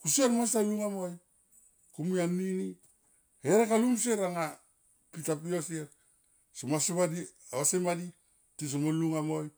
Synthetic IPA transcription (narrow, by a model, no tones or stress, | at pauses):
kusieɾmasajuŋamoj | kumianːini | heɾekalums̬eɾaŋa | pitap̬ioseɾ | somaseβadi | aasemadi | tis̬omoluŋamoj